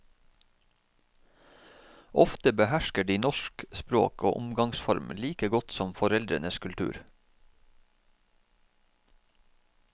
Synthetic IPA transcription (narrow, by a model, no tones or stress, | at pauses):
ʔɔft̪əbəhæʃkəɖiːnɔʃkspɾo̰ːkʰo̰ːʔʊmɡɑŋsfɔ̰ɾmliːkəɡɔt̪sɔmfɔɾɛld̪ɾənəskʰʉlt̪ʰʉ̰ːɾ